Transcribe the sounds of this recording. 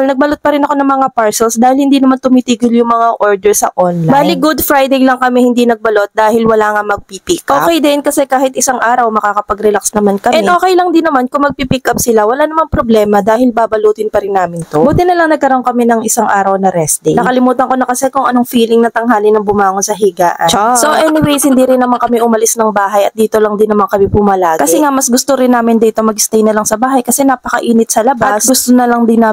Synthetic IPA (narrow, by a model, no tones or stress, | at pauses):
lnɐɡ̚bɐlot̪̚pɐɾɪnɐko̞nɐŋmɐŋapaɹsɛlsd̪aːhɪlhɪnd̪iːnɐmant̪ʊmit̪iːɡɪljʊŋmɐŋaʔo̞ɹd̪ɛɹsɐ̰ʔonlabajliɡʊd̪fɾajd̪ejlɐŋkɐmɛhɪnd̪inɐɡ̚bɐlo̞t̪̚d̪aːhɪlwɐlaːŋamɐɡ̚pipikʔoːpkɛjd̪ɛnkɐsɛkaːhɪt̪̚ɪsaŋʔaːɾɐwmɐkaːkɐpɐɡɾɛlaksnɐmankɐʔmnɛʔoːkɛjlɐŋd̪ɪnːɐmankʊŋmɐɡ̚pipikɐp̚sɪlawɐlaːnɐmanpɾoblɛːmɐd̪aːhɪlbaːbɐluːt̪ɪnpɐɾɪnːaːmɪnt̪obʊd̪ɪnːɐlɐŋnɐɡ̚kɐɾooŋkɐmɛnɐŋʔɪsaŋʔaːɾɐwnɐɾɛsd̪inɐkɐlɪmuːt̪ɐŋkonɐkɐsɛkʊŋʔɐno̞ŋfiːlɪŋnɐt̪ɐŋɦaːlɪnɐŋbʊmaːŋonsɐɦiɡa̰ːʔɐ̰nasoʔɛnɪwejshɪnd̪iɾɪnːɐmaŋkɐmɛʔʊmɐlɪsnɐŋbaːɦɐjɐt̪̚d̪iːt̪o̞lɐŋd̪ɪnːɐmaŋkɐmɛpʊmɐlaːɡkɐsɛŋaʔmɐsɡʊst̪oɾɪnːaːmɪnd̪iːt̪o̞mɐɡɪst̪ɛjnɐlaŋsɐbaːɦɐjkɐsɛnapɐkɐ̰ʔiːnɪt̪̚sɐlɐbasɡʊst̪onɐlɐŋd̪ɪna